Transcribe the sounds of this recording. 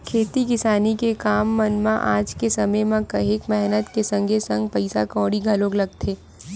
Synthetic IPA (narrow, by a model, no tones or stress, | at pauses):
kʰeːt̪ikɪsaːnikekaːmːɐnmãʔaːd͡ʒkesɐməjmãkɐɦeːkmɛɦnət̪kesɐ̃ŋɡʱesɐ̃ŋɡ̚pɐɪsa̰kɔ̃ːɽiɡʱɐloːɡlɐɡ̚t̪ʰeː